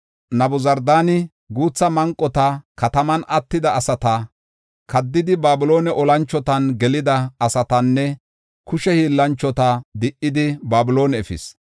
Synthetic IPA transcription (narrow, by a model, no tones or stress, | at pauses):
nɐbʊzɐɾd̪aːnɪ | ɡuːt͡sːɐmɐŋkʼːɔt̪ɐkɐt̪ɐmɐnɐt̪ːɪd̪ɐɐsɐt̪ɐ | kɐd̪ːɪd̪ɪbaːbɪlo̞ːnɛʔɔlɐnt͡ʃːɔt̪ɐnɡɛlɪd̪ɐːsɐt̪ɐnːɛ | kʊʃɛhiːlːɐnt͡ʃːɔt̪ɐd̪ɪʔːɪd̪ɪbaːbɪlo̞ːnɛɛfɪ̰s